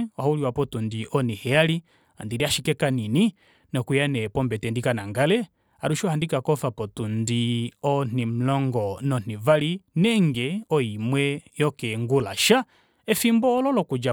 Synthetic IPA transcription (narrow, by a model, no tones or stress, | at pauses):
ɔhauliwapɔtundiʔɔnihɛali | a̰ndiɾiaʃikɛkanini | nɔkujanɛpɔmbɛtɛndikanaŋɡalɛ | aɾuʃɔhandikakɔfapɔtundiɔn̥im̩lɔŋɡɔnɔn̥ivalinɛŋɡɛɔimwɛjɔkɛŋɡulaʃa | ɛfimbɔːlɔlɔkud͡ʒa